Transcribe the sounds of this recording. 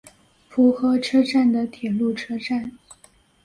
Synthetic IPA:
fu˧˥xɤ˧˥ʈ͡ʂʰɤ˥ʈ͡ʂa˥˩nd̪ə˩t̪ʰjɛ˨˩lu˥˩ʈ͡ʂʰɤ˥ʈ͡ʂa˥˩n

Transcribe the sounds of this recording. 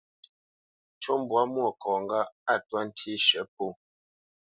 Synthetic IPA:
t͡ʃo˦m˦bwa˦mwo˨kɔ˨ŋ˨ɡa˦a˦˨twa˦n̩˦tʰi˦ʃɛ˨˦p̚o˦˨

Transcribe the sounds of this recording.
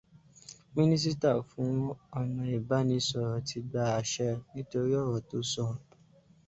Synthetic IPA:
mĩ˦nĩ˦s̬i˦ta˦˨fũ˨˦ɔ˦˧nã˧i˨ba˨˦nĩ˧˦sɔ˨ɾɔ˨tʰi˧ɡ͡ba˧a˧ʃɛ˧nĩ˦to˧ɾi˦ɔ˦˨wɔ˨to˨˦sɔ˦˨

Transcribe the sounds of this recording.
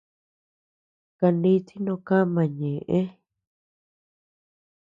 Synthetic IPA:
ka˧nĩ˦t̪ʰi˦nõ˧kã˦mã˨ɲẽ˨ʔẽ˦

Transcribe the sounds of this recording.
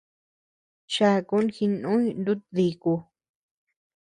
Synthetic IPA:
t͡ʃa˦˧˨ku˧˦nxi˧nũ˦i˧nd̪u˦ði˧ku˧

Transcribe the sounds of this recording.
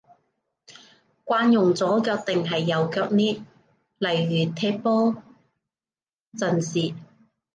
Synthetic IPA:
kʷaː˧njʊ˨˩ŋt͡sɔː˨˥kœː˧k̚t̪ɪ˨ŋɦɐ˨jːɐ˨˧wkœː˧k̚niː˥ | lɐ˨˩jːyː˨˩t̪ʰɛː˧˥pɔː˥ | t͡sɐ˨nsiː˨˧

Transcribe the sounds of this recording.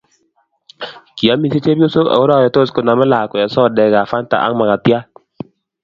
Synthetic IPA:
ki˨a˨˦mi˨se˦t͡ʃe˦bjo˦so˦a̰˨o˦ɾa˦˨jɔ˨to˦sko˨na˨mɛ˦la˨kɔ˨a˨sɔ˦˨dɛ˨ɡa˨fa˦nta̰˨ʔa̰˦ŋma˨ka˨tja˦

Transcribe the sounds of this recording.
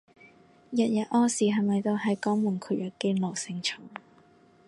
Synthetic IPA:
jɐ˨t̚jɐ˨t̚ʔɔː˥siː˨˩ɦɐ˨jmɐ˨jt̪o˧ɦɐ˨jkɔː˨˥ŋmuː˨˩nkʰyː˨˩jɐː˨˩kːe˧˥lo˨˩wsɪ˧ŋt͡ʃʰʊ˨˩ŋ

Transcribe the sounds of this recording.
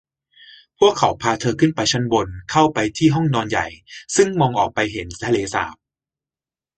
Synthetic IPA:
pʰu˥˩əkʰːa˩˦wpʰaː˧t̪ʰɤː˧kʰɯ˥˩npa˧jt͡ɕʰa˦˥nbo˧nkʰa˥˩wpa˧jt̪ʰiː˥˩ɦɔ˥˩ŋnɔː˧nja̰˨˩jsɯ˥˩ŋmɔː˧ŋʔɔː˨˩k̚pa˧jɦe˩˦nt̪ʰa˧leː˧sa̰ː˨˩˦p̚

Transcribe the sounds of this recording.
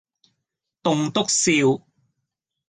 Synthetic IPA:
t̪ʊ˨˧ŋt̪ʊ˥k̚siː˧w

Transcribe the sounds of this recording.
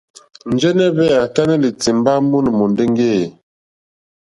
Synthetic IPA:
n˨˦d͡ʒɛ˦nɛ˦βɛ˦a˨ta˦nɛ˦li˨t͡si˨mba˦mu˦n˨mɔ˨nde˦ŋ˦ɡe˦˨

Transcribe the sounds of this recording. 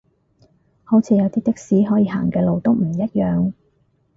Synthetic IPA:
ho˨˥wt͡sʰiː˧jɐ˨˧wt̪iː˥t̪ɪ˥k̚siː˨˥ɦɔː˨˥jiː˧ɦa̰ː˨˩ŋkɛː˧lo˨˧wt̪o˥wm̩˨˩jɐ˥t̚jœː˨ŋ

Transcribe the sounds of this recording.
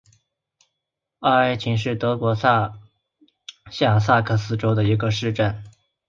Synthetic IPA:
a˥˧˩a˥ɪt͡ɕʰi˧˥ŋʂɻ̩˥˩t̪ɤ˧˥kwɔ˧˥˧ | ɕja˥˩s̬a˥˧kʰɤ˥˩sɹ̩˥ʈ͡ʂo˥ʊd̪ə˨i˧˥ɡə˧ʂɻ̩˥˧ʈ͡ʂa˥˩n

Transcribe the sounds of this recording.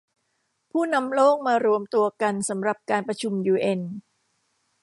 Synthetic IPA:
pʰuː˥˩na˧mloː˥˩k̚maː˧ɾu˧əmt̪u˧ɐka˧nsa˩˦mɾa˨˩p̚kaː˧npɾa˧t͡ɕʰu˧mjuː˧ʔe˧n

